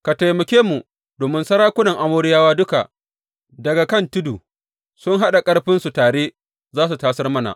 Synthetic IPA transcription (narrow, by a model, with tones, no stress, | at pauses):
ka˨tɐ˨jmɐ˨kʲeː˦mu˨ | doː˨mɪ˦nsɐ˦ɽaː˦kʷʊ˦nɐ˨ŋʔa˨moː˦ɽɪ˦jaː˦waː˦dʊ˦ka̰˨ | dɐ˨ɡa˨kɐ˦˨ntʊ˦duː˨ | sʊ˦ŋɦa˦ɗa˨kʼɐ˦ɽɸɪ˦nsu˨taː˨ɽeː˦ | zaː˦s̬u˨taː˦sɐ˦rmɐ˦na̰˨ʔ